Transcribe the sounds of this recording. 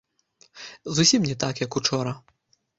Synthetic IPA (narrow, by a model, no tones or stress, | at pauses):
zusʲimnʲɛt̪akjɐkut͡ʂɔɾɐ